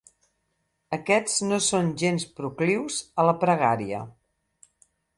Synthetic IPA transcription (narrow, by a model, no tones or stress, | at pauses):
əkɛd͡znosonʒenspɾukliwzələpɾəɣ̞aɾiə̰